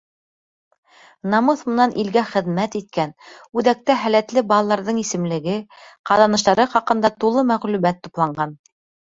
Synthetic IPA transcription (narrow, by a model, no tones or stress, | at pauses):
nɑmɤθmɤ̆nɑnʔilɡæχɘ̆ðmæt̪it̪̚kænʉðæk̚t̪æɦælæt̪lɘbɑlˠɑlˠɑɾðɤɴisɘ̆mlɘ̆ɡɘqɑðɑnɤ̆ʃ̬t̪ɑɾɤχɑqɤ̆nd̪ɑt̪ulˠɤmæʁlʉmæt̪ːuplˠɑɴɢɑn